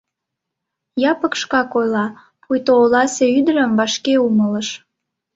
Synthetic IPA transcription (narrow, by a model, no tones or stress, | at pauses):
jɑpəkʃkɑkojlɑ | pʰujt̪oːlɑseyd̪əɾəmvɑʃkeumələʃ